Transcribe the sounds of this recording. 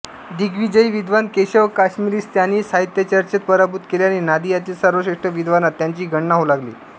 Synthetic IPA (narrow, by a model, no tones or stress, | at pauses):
d̪iɡʋid͡ʑəiʋid̪ʋankeɕəʋkaɕmiɾiːst̪janiːsaɦit̪jət͡ɕəɾt͡ɕət̪̚pəɾabut̪keljaninad̪ijat̪isəɾʋəɕeʂʈəʋid̪ʋanat̪ːjaɲt͡ɕiːɡʱəɳnaɦolaɡlḭː